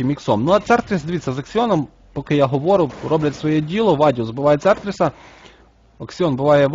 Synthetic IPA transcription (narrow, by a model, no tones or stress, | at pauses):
ɪmʲiksɔmnuɐt̪sɛrt̪ɾʲɪsd̪ɪʋʲit̪ʲt͡sʲːɐzɐksʲɪɔnɔm | pɔkɪjaɦɔʋɔɾʊrɔblʲɐtʲsʋɔjɛdʲilˠɔʋɑdʲiɔsbʊʋɑjɛt̪sɛrt̪ɾʲɪsɐ | ɐksʲɪɔnbʊʋɑjɛʋ